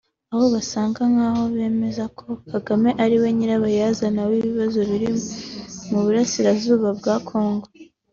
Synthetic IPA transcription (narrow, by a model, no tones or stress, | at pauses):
aho̞βasaːŋɡaŋ̥aːho̞βe̞ːme̞zakʰo̞kaɡame̞ʔaɾiwe̞ɲiɾaβajaːzanawiːβiβazo̞βiɾi | muβuɾasiɾazuːβabɡaːkʰo̞ːŋɡo̞